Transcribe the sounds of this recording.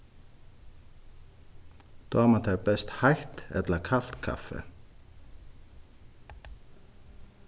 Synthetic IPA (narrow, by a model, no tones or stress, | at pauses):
d̪̥oaːmat̪ʰaɹbɛst̪hajht̪ɛ̰t̪lakʰal̥t̪kʰa̰fɛ̰